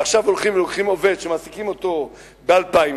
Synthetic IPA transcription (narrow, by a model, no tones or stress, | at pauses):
aχʃavo̞lχimvelo̞kχimo̞ve̞d̪ʃemaːsikimo̞t̪o̞ | bealpai